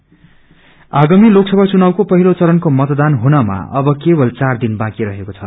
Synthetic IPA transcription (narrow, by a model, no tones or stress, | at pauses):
aɡamiloksʌbʱat͡sunawkopʌɦilot͡sʌɾʌnkomʌt̪d̪anɦunʌma̰ʌ̰bʌkebʌlt͡sard̪inbãkiɾʌɦekot͡sʰʌ̰